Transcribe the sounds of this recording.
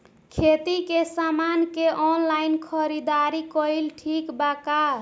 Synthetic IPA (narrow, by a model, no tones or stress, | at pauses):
kʰet̪ikesamankeʔɔnlainkʰəɾid̪aɾikɔilʈʰikbaka